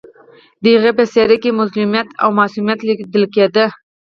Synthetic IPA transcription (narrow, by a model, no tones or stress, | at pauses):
d̪əhəɣəpəseɾekemʊzlɪmijat̪a̰wmɑsumijat̪lid̪əlked̪ə